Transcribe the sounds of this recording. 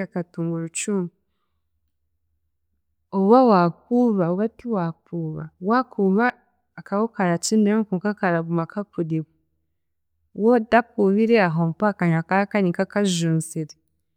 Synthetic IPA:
akatuŋɡuɾut͡ʃumu | oβawak̚uβaoβatiwakuβawakʰuβaː | kawokaɾat͡ʃindemkuŋkakaɾaβumakakudiβu | wodakuβiɾeaɦomupakaɲakaɾakanikakaʒuːnseɾe

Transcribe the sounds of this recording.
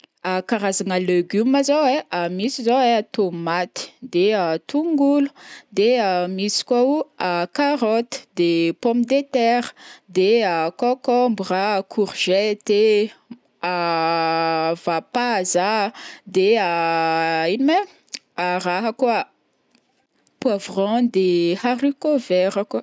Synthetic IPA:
akaɾazanəleɡyməzoweʔamisizoweat̪omat̪i̥d̪eat̪uŋɡulu̥d̪eamisi̥kwauakaɾɔt̪ə̥d̪epɔmid̪et̪ɛɾə̥d̪eakɔkɔmbrakʰuʁʒ̥ɛt̪e | a | v̥apazad̪ea | inime | araɦaka | pwavrɔ̃d̪ehaɾikovɛɾaka

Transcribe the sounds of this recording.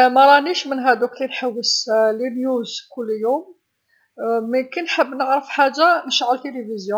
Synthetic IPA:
mæɾˤɑniʃmənɦæd̪uklinħəwːəslinjuzkʊlːjum | mkənħəbːnəʕɾəfħaʒːaməʃʕəlt̪ilivizju

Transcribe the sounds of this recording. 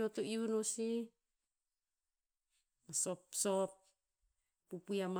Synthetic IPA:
ot̪uiunosi | masopsop̚ː | upujam

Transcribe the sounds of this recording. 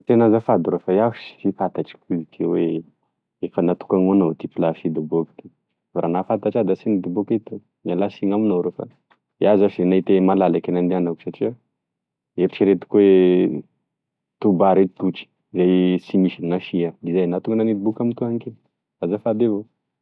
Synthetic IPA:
t̪enazafad̪uɾofajafusi̥fifat̪aʈ͡ʂi̥kuzikʰewe | efənat̪u̥kaŋuanot̪ipulafid̪uboki̥t̪i | vaɾanafat̪aʈ͡ʂad̪asinid̪ubuket̪u | mialasiŋaminoɾofa̰ | jazaʃienait̪emalalakenand̪eanaku̥saʈ͡ʂia | eɾiʈ͡ʂiɾet̪u̥kue | t̪ubaɾet̪t̪ut͡ʃi̥ | izajsimiʃininafiaizajnat̪uŋɡənanit̪ibukamit̪uaŋke | azafad̪evo

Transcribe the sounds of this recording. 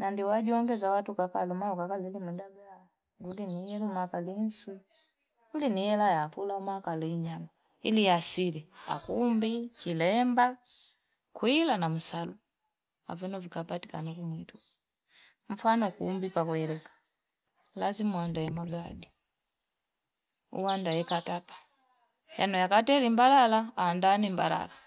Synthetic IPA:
nandiwaɟuɔŋɡɛzawatukakalumaɔkakalɛlimudaɡa | ɡuliniilumakalin̩swi | ɡulinijɛlajakulamakaliɲama | ḭliasilɛa̰kumbit͡ʃilɛmba | kwilanam̩salu | a̰vinɔvikapatikanakumwitu | ɱ̩fanɔkumbipakuɛlɛkḁ | lazimuandajɛmaladi | ṵwandajɛkatapḁ | janɔjakatɛlimbalalaandanimbala̰la

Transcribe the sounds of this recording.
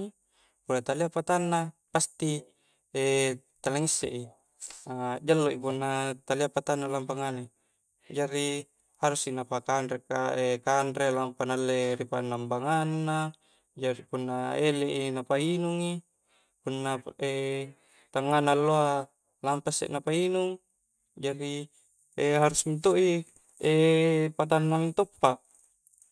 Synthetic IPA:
pulat̪aliapat̪anːapast̪i | et̪alaŋisːḛʔi | ad͡ʒalːoʔipunːat̪aliapat̪anːalampaŋane | d͡ʒaɾi | haɾusinapakanɾekaekandɾelampanalːeɾipanːambaŋanːa | d͡ʒaɾipunːaeleʔinapainuŋi | punːae | t̪aŋːanalːoa | lampasːḛʔnapainuŋ | d͡ʒadi | eɦaɾusmint̪oʔi | epat̪̬anːamint̪opːaʔ

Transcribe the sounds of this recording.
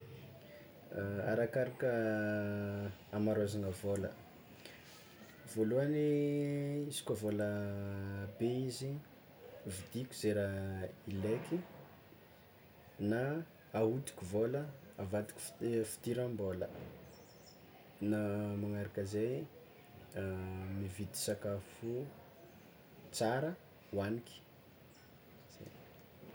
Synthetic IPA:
aɾakaɾakə | amaɾazanəvolə̰ | v̥oluani | izi̥kʲavolə | beizi | vid̪ikʲu̥zeɾaileki | naː | ɦut̪i̥kʲuvoləavat̪i̥kʲi̥ffi̥t̪iɾambolə̰ | namaŋaɾakəzej | mivid̪i̥sakafu | t͡saɾə | waniki̥ | z̥ḛ

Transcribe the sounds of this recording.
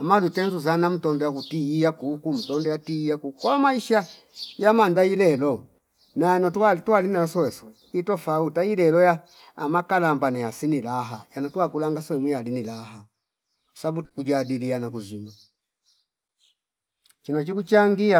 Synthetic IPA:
amalutɛnzuzanam̩tɔndɔjakutiijakukum̩tɔndɔjatiijakukɔmaiʃa | jamandailɛlɔ | najanɔtatualinaɔsɔwɛswɛ | itɔfautailɛlɔjaː | makalambanajasinilaɦajanɔtuakulaŋɡasɔɛmwialinilaɦa | kɔsabukud͡ʒadilianakuzima | t͡ʃinat͡ʃikut͡ʃaŋɡia

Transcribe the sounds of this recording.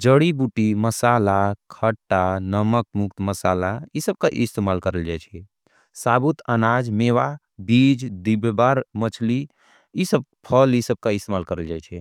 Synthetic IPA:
d͡ʒəɽibuʈiməsalakʰəʈːanəməkmukt̪məsalaisəb̚kaʔist̪emalkəɾəld͡ʒajt͡ʃʰɛ | sabut̪ʰənad͡ʒmewa | bid͡ʒd̪ibbaɾmət͡ʃʰli | isəb̚pʰəlisəb̚kaist̪emalkəɾəld͡ʒajt͡ʃʰɛ

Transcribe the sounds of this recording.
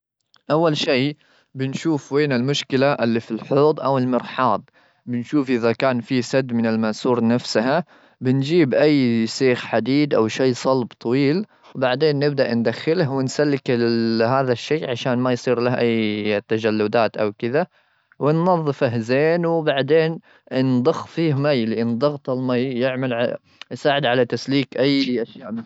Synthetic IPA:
ʔawːalʃiː | bɪnʃuːfweːnɪlmʊʃkɪlaʔɪlːifilħoːd̪ˤʔawɪlmɪɾħɑːd̪̚ˤ | bɪnʃuːfʔɪðakaːnfisad̪ːmɪnɪlmasuːɾnafsaha | bɪnd͡ʒiːbʔajːsiːxħad̪iːd̪ʔawʃeːsˤɑlbt̪ˤʰɑwiːl | wbaʕd̪eːnːɪbd̪aʔnd̪axːɪlahwɪnsalːɪkɪɦaːðaʃːeːʕaʃaːnmajsˤiːɾlahʔajːt̪ːad͡ʒalːʊd̪aːt̪ʔawkɪða | wɪnːɑðˤːɨfaɦzeːnwɪbaʕd̪eːn | nd̪ˤʊxːfiːhmajlɪʔɪnd̪ˤɑɣt̪ˤɪlmajːɪʕmal | jsaːʕɪd̪ʕalat̪asliːkʔajːʔaʃjaːʔm

